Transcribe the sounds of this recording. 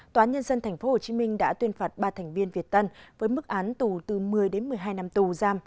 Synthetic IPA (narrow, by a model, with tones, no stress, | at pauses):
t̪waː˨aː˨˦ɲə˧nzə˧nt̪ʰɛ˨˩ŋ̟fo˨˦ho˨˩t͡ɕi˨˦mï˧ŋ̟ɗa̰ː˧˥t̪wi˧ənfaː˨˩t̚ɓaː˧t̪ʰɛ˨˩ŋ̟vi˧ənvi˨˩ət̚t̪ə˧nvəː˨˦jmɨ˦˥k̚ʔaː˨˦nt̪u˨˩t̪ɨ˨˩mɨ˨˩əjɗe˨˦nmɨ˨˩əjɦaː˧jna˧mt̪u˨˩zaː˧m